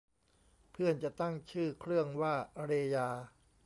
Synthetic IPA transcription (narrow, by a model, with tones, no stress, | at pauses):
pʰɯ˥˩ənt͡ɕa˨˩ʔt̪a˥˩ŋt͡ɕʰɯː˥˩kʰɾɯ˥˩əŋwaː˥˩ɾeː˧jaː˧